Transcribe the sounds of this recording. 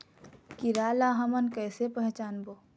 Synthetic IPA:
kiɾaːlaɦəmənkɛːsepəɦt͡ʃaːnboː

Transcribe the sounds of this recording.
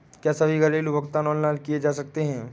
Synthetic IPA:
kjaːsɐbʱiɡʱɐɾeːlubʱɐkt̪anɔːnlaːlkied͡ʒaːsɐk̚t̪eɦɛ̃ː

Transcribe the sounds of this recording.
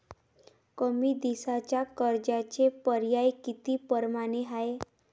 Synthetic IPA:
kəmid̪isat͡ɕakəɾd͡ʑat͡ɕepəɾjajkit̪ipəɾmaneɦae

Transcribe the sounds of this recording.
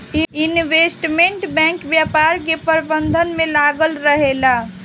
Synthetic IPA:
ɪnʋeːsʈmẽɳʈbɛ̃ŋkʋjapaɾkepəɾbənd̪ʱənmẽlaːɡəlɾəɦela

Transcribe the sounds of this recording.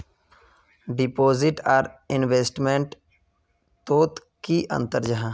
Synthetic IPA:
ɖɪpoːzɪʈaːɾɪnʋeːsʈmẽɳʈ | t̪oːt̪ | kiʔə̰̃nt̪əɾd͡ʒəɦã

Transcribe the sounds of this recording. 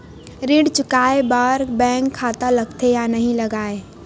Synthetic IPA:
ɾiɖt͡ʃʊkaːebaːɾbɛ̃ːŋkʰːaːt̪aləɡt̪ʰejanəɦĩləɡaːe

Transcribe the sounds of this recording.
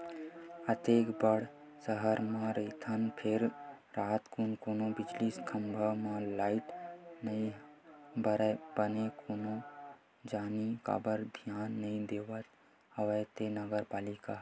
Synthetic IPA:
ət̪eːkbəɽ̤ | səɦəɾmãɾet̪ʰənpʰɪɾ | ɾaːt̪kunkoːnõbɪd͡ʒliskʰəmbʱəʋmãlaːɪʈnəĩ | bəɾbənekoːnõ | d͡ʒaːnika̰ːbəɾd̪ʱjaːnːɐĩd̪eːʋət̪ | ɐʋəjt̪enəɡəɾpaːlɪka

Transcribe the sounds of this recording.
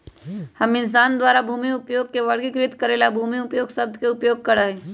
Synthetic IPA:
hɐmɪns̬aːnd̪waːɾabʱuːmiʊpjoːɡ̚keʋɐɽɡikɾɪt̪kɐɾeːlabʱuːmiʊpjoːɡsɐb̚d̪ʱkeʊpjoːɡ̚kɐɾaɦeː

